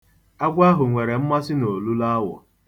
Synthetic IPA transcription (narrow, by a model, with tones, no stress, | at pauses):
a˦ɡʷa˦ɦʊ˨ŋʷe˨ɾe˨m̩˦ma˦sɪ˦no˨lu˦la˦wɔ̰˨